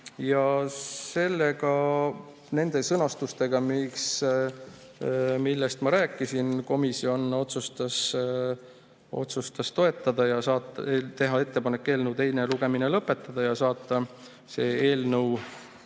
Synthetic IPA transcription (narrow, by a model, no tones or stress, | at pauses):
jɑse̞lːe̞ɡɑ | ne̞nd̪̥e̞sɤnɑst̪ust̪e̞ɡɑmiks | milːest̪mɑɾæːkːˑisinko̞misio̞no̞t̪sust̪ɑs | o̰t̪sust̪ɑst̪o̞e̞t̪ːˑɑd̪̥ɑjɑsɑːt̪ːˑet̪e̞ɦɑe̞t̪ːe̞pɑnekːe̞ːlnəwt̪e̞jne̞luɡ̥e̞mine̞lɤpːˑe̞t̪ːˑɑd̪̥ɑjɑsɑːt̪ˑːɑ | se̞ːe̞ːlnɤw